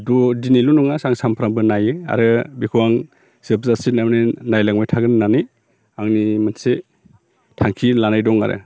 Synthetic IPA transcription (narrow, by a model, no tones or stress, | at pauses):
dɔdinilunuŋasaŋsampʰɾambɯnajɯa̰ɾɯbikʰuwaŋ | sepʰzasinamninajlaŋmajtʰaɡɯninanij | aŋnimanse | tʰaŋkʰilanajdɔŋa̰ɾɯ̰